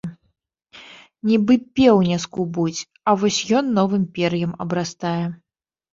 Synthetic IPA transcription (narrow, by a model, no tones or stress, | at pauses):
nʲibɨpʲɛwnʲɛskubut͡sʲ | ɐvɔsʲjɔnːɔvɨmpʲɛɾjɐmɐ̰bɾast̪ajɛ